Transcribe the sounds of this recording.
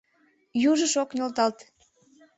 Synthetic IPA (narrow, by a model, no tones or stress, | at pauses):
juʒəʃoknʲolt̪ɑlt̪